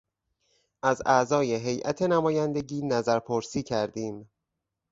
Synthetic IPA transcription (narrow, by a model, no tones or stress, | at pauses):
ʔæzæʔzɒːje̞ɦe̞jʔæ̰t̪ʰe̞næmɒːjænd̪e̞ɟiːnæzæɾpʰoɾsiːcʰæɾd̪iːm